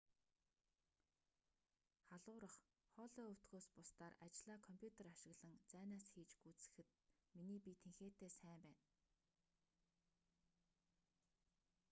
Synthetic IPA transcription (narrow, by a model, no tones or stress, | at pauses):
χaɮʊːɾə̆χ | χɔɮɔːɵw̥t̪ɡoːspʊst̪aːra̰t͡ɕɮaːkʰɔmpʰʲjut̪ʰeraʃɪ̆ɣɮə̆ŋt͡sæːnaːsxiːt͡ɕɡut͡sɘ̆xɘ̆t̪̚miniːpʲit̪ʰeŋxeːt̪eːsæːmpæːn